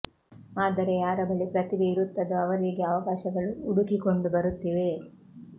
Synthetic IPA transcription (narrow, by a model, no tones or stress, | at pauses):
aːd̪ɐɾejaːɾɐbɐɭipɾɐt̪ibeiɾut̪ːɐd̪uɐʋɐɾeːɡeɐʋɐkaːʃɐɡɐɭuːɽukiko̞ɳɖubɐɾut̪ːiʋe̞